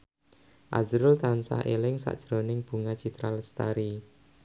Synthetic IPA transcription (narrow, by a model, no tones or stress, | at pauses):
ʔa̰zɾʊlt̪ansa̰helɪŋsa̰ʔd̥ʒ̥ɾo̤nɪŋb̥ṳŋad̥ʒ̥i̤t̪ɾalst̪aɾi